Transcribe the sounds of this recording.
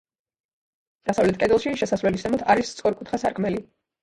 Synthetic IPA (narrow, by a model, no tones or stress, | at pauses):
d̪̥asavlɛt̪̚ʰkʼɛd̪ɛlˠʃiʃɛsasvlɛlisɛmɔt̪ʰaɾist̪sʼɔɾkʼut̪χasaɾkʼmɛli